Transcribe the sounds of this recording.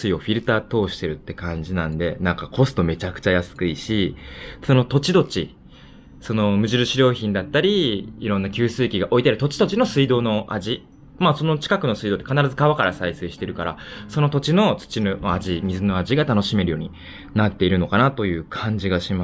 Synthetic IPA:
sɨio̞ɸʲiɾɯ̟t̪aːt̪o̞ːɕi̥t̪e̞ɾɯ̟t̪ːe̞kãɲ̟d͡ʑinãnd̪e̞nãŋkako̞sɨ̥t̪o̞me̞t͡ɕakɯ̟̥t͡ɕajasɨ̥kɯ̟iɕiso̞no̞t̪o̞t͡ɕid̪o̞t͡ɕi | so̞no̞mɯ̟ʑiɾɯ̟ɕiɾʲo̞ːçĩnd̪at̪ːaɾʲiiɾõ̞nːakʲɨːsɨːkʲiɡaʔo̞it̪eaɾt̪o̞t͡ɕi̥t̪ot͡ɕino̞sɨid̪o̞ːno̞ʔa̰ʑi | maso̞no̞t͡ɕi̥kakɯ̟no̞sɨid̪ot̪ːekanaɾazɨkaβakaɾa̰saiseːɕi̥t̪e̞ɾɯ̟kaɾa̰so̞no̞t̪o̞t͡ɕino̞t͡sɨ̥t͡ɕinnoaʑimʲizɨno̞aʑiɡat̪ano̞ɕime̞ɾɯ̟jo̞ːɲ̟i | nat̪ːe̞iɾɯ̟no̞kanat̪o̞jɯ̟ːkʰãɲ̟d͡ʑiɡaɕima

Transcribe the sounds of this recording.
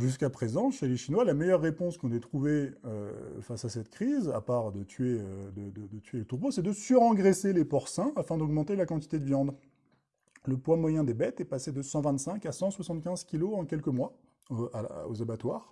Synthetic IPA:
ʒys̬kapχezɑ̃ʃeleʃinwalamɛjœʁːepɔ̃skɔ̃nɛt̪χuveø̰fasasɛt̪kχiza̰paʁd̪ət̪ʰɥeød̪əd̪əd̪ət̪ʰɥelət̪uʁbosɛd̪əsyʁɑ̃ɡʁeselepɔʁsɛ̃afɛ̃d̪ɔɡmɑ̃t̪elakɑ̃t̪i̥t̪ed̪əvjɑ̃d̪ | ləpwamwajɛ̃d̪ebɛt̪ɛpased̪əsɑ̃vɛ̃nt̪sɛ̃kasɑ̃swasɑ̃t̪kʲɛ̃zkʲiloɑ̃kʲɛlkəmwa | a̰o̰zabat̪waːʁ

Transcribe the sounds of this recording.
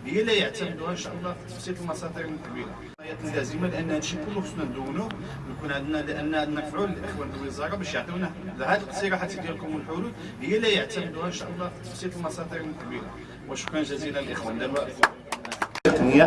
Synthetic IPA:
həjːælæjəʕt̪æməd̪uhæʔənʃæʔəlˤːɑfit̪ːə̥fsit̪əlmɑsˤɑd̪əɾməlkbiɾa | jæt̪ːæzəmalʔənːhænʃikʊlːufəsnænd̪uwːnu | nkunʕad̪nælʔənːæʕad̪næɾˤfʕuləlʔəxwænlwəzˤɑɾˤɑbæʃjəʕt̪əwnæhlhæd̪lqsiɾɑħat̪ːæd̪jælkʊmwəlħulud̪ | həjːælæjəʕt̪æməd̪uhæʔənʃæʔəlˤːɑfi̥t̪ːə̥fsit̪əlmɑsˤɑd̪əɾkbiɾa | wæʃkænʒæzinælʔəxwænlæwæʔ | əqnəja

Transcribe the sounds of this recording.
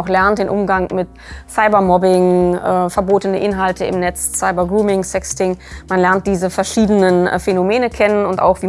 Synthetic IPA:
ʊxlɛɐnt̚d̥eːnʔʊmɡaŋmɪt | saɪbɐmɔbɪŋʔɛfɛɐboːtənəʔɪnɦaltʰəɪ̰mnɛt͡ssaɪbɐɡʁuːmɪŋsɛkstɪŋmanlɛɐnt̚d̥iːzəfɛɐʃiːdənənfenomeːnəkʰɛnənʊntʔa̰ʊxv̥iː

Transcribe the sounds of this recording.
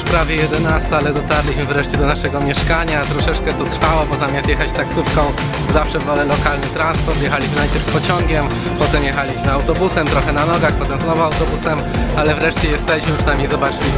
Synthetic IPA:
pɾavʲjɛjɛd̪ɛnast̪alɛd̪ɔt̪aɾlʲiɕmɘvɾɛʂt͡ɕɛd̪ɔnaʂɛɡɔmʲjɛʂkaɲat̪ɾɔʂɛt͡ʂkɛt̪ut̪ɾfawɔbɔzamʲast̪jɛxat͡ɕt̪aksufkɔ̃w̃ | zafʂɛvɔlɛlɔkalnɘt̪ɾanspɔɾt̪jɛxalʲiɕmɘnajpʲjɛɾfpɔt͡ɕɔŋɡʲɛm | pɔt̪ɛmjɛxalʲiɕmɘawt̪ɔbusɛmt̪ɾɔxɛnanɔɡaxpɔt̪ɛmznɔvɔawt̪ɔbusɛm | alɛvɾɛʂt͡ɕɛjɛst̪ɛiɕmɘpʂnajmʲejzɔbat͡ʂɘlʲi

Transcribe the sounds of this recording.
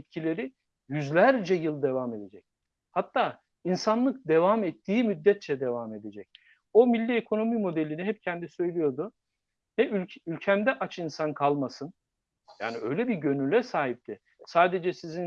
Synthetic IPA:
t̪̚cʰilʲe̞ɾi | jyzlʲæɾd͡ʒɛjɯlˠd̪e̞vame̞d̪e̞d͡ʒɛc̚ | hat̪ʰːaː | insanlˠɯk̚d̪e̞vamɛt̪ʰːiːmyd̪ːɛt̪̚t͡ʃʰɛd̪e̞vame̞d̪ed͡ʒɛc̚ | o̞milʲːiekʰo̞no̞mimo̞d̪elʲiniɦɛp̚cʰɛnd̪isø̞jlʲijo̞d̪ʊ | nɛylʲylʲcʰæmd̪ɛʔat͡ʃʰinsankʰalˠmasɯn | ja̰ːniø̞jlʲɛbiɟø̞nylʲɛsaːɦip̚t̪ʰɪ | saːd̪e̞d͡ʒɛsizin

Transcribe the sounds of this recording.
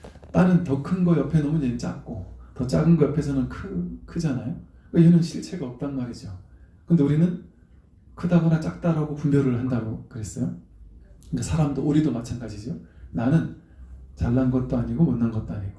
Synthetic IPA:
t͈anɯntʌkʰɯnɡʌjʌpʰenʌmunet͡ɕ͈a̰k̚k͈otʌt͡ɕ͈a̰ɡɯnɡʌjʌpʰe̞sʰʌnɯnkʰɯkʰɯd͡ʑanajo | kejenɯnɕʰiɭt͡ɕʰe̞ɡaʌp̚t͈anmaɾid͡ʑo | kɯnde̞uɾinɯn | kʰɯdabʌnat͡ɕ͈ak̚t͈aɾaɡopumbjʌɾɯɭhandaɡokɯɾe̞s͈ʌjo | ikasʰaɾamdoʔoɾidomat͡ɕʰanɡad͡ʑid͡ʑionanɯn | t͡ɕaɭːanɡʌt̚t͈oaɲiɡomʌnːanɡʌt̚t͈oaɲiɡo

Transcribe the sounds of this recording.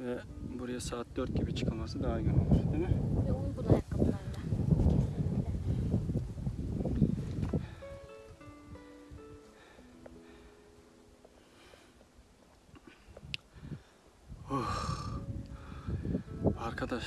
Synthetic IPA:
vɛ | buɾajasaːt̪̚d̪øɾt̪̚ɟibit͡ʃʰɯ̥kʰalˠmasɯd̪aːjɡanolˠɯɾd̪inɪubulajakːɯmaa | ox | aɾkʰad̪aʃ

